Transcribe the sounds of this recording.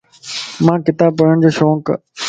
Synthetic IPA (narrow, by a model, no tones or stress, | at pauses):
mãːkɪt̪aːb̚pəɽəɽ̃d͡ʑoːʃoːk